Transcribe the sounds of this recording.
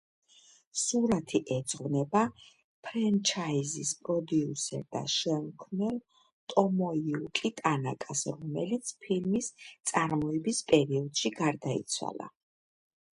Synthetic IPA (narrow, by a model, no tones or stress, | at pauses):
suɾat̪ʰiʔɛd̪zʁvnɛba | pʰɾɛnt͡ʃʰaizispʼɾɔd̪iusɛ̰ɾd̪a̰ʃɛmkʰmnɛlˠ | t̪ʼɔmɔiukʼit̪ʼanakʼasɾɔmɛlit̪sʰpʰilmist̪sʼaɾmɔɛbispʼɛɾiɔd̪̥ʃiɡaɾd̪aḭt̪sʰwa̰lˠa̰